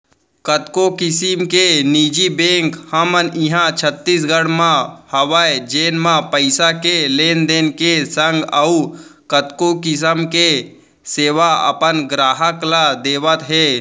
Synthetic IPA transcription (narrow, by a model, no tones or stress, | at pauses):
kət̪kokɪsimkeniːd͡ʒibẽːŋkhəmənɪɦãt͡ʃʰət̪ːiːs̬ɡəɽmãhəʋaːjd͡ʒeːnmãpəɪsakeleːnd̪eːnkesəŋɡəukət̪kokɪs̬əmke | seːʋaə̰pənɡɾaːɦəklad̪eːʋət̪ɦeː